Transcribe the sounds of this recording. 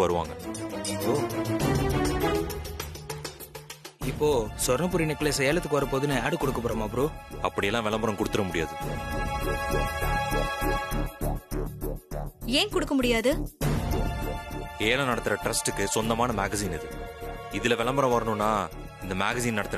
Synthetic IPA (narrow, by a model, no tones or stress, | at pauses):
ʋɐɾɯʋa̰ːŋɡɐɪpːoː | ɪpːoːsɔɾnɐp̬ʊɾinɛkːɐlesɛjaːlɐt̪ːɯkːɯʋɐɾɐpoːðɯnɯaːɽɯkːɔɽɯkːɐpɔːɾɐmaːpːɯɾũɐpːɐɽɪjɛlːãːʋɛlɐmbɐɾɐ̃mkʊɽɯt̪ːɯɾɐmʊɽɪja̰ːðɯ | eːŋkʊɽɯkːɐmʊɽɪjaːðɯ | eːlɐnɐɽɐt̪ːɯɾɐʈɾɐsʈɯkːɯsɔnd̪ɐmaːnɐmaːɡɐsiːnɪðɯɪðɪlɐʋɛɭɐmbɐɾɐ̃ʋɐɾɐnʊ̃nːaː | ɪnd̪ɐmaːɡɐsiːnnɐɽɐt̪ːɪɾ